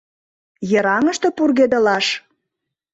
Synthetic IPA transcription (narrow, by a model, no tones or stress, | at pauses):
jə̆ɾɑŋəʃt̪ɤ̆purɣed̪ə̆lɑʃ